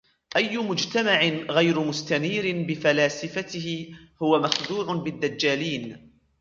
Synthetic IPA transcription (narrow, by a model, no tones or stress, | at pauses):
ʔajːʊmʊd͡ʒt̪amaʕɪnɣajɾʊmʊst̪aniːɾɪnbɪfalaːsɪfat̪ɪɦɪhʊwamaxd̪uːʕʊnbɪd̪ːad͡ʒːaːliːn